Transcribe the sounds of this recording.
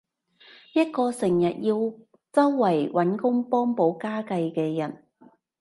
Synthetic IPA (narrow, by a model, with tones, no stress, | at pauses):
jɐ˥t̚kɔː˧sɪ˨˩ŋjɐ˨t̚jiː˧w | t͡sɐ˥wːɐ˨˩jwɐ˨˥nkʊ˥ŋpɔː˥ŋpo˨˥wkaː˥kɐ˧jkɛː˧jɐ˨˩n